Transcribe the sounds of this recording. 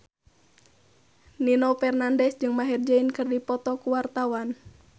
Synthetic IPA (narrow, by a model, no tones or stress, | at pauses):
ninɔfɛrnandɛsd͡ʒɨŋmaɦird͡ʒainkɨrdipɔt̪ɔkuwart̪awan